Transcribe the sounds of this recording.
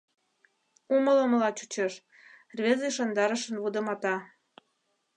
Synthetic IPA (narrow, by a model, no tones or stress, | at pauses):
umələ̆mlɑt͡ɕu̥t͡ɕeʃ | rβʲezeʃond̪ɑɾəʃə̆nβud̪ə̆mɑt̪ɑ